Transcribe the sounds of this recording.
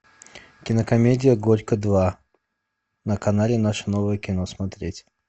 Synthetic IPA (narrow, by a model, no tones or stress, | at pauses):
kʲɪnəkɐmʲedʲɪjəɡoɾʲkəd̪va | nəkɐnalʲɪnaʂənovəjəkʲɪnosmɐt̪ɾʲetʲ